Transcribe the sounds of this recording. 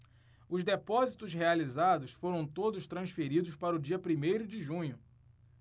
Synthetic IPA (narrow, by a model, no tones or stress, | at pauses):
ʊzd̪epɔzit̪ʊshealizad̪ʊsfoɾɐ̃w̃t̪od̪ʊʃt̪ɾɐ̃sfeɾid̪ʊspaɾɐʊd͡ʒiɐpɾimejɾʊd͡ʒɪʒũɲʊ